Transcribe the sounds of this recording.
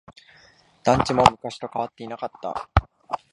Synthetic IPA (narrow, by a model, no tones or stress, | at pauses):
d̪̥ãɲ̟t͡ɕimo̞mɯ̟kaɕi̥t̪o̞kaβat̪ːe̞inakat̪ːa̰